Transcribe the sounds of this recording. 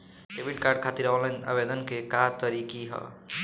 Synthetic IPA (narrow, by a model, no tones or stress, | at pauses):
kebʱiʈkaɾɖ̚kʰat̪iɾawlana̰bed̪ənkekat̪ʌɾikiɦʌ̰